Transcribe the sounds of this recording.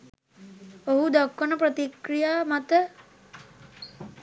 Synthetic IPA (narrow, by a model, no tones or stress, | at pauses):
oɦud̪akwənəprət̪ikɾijaːmat̪ə